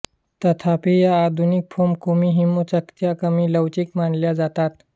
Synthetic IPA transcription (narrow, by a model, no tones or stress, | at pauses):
t̪ət̪ʰapiːjaːd̪ʱunik̚pʰomkumiɦimut͡səkt̪jakəmiːləwt͡ɕikmaɳljad͡zat̪at̪